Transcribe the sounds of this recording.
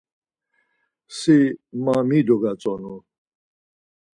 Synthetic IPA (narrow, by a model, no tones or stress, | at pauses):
semãːmĩːd̪oɡat͡sɔno